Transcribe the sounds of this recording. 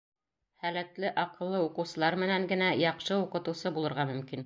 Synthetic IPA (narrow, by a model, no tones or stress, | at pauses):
hælæt̪lɘʔɑqɤ̆lˠːɤuqɤ̆wsɤ̆lˠɑɾmɘ̆næŋɡɘ̆næjɑqʃɤuqɤ̆t̪ɤ̆wsɤbulˠɤ̆ɾʁɑmɵ̆mkin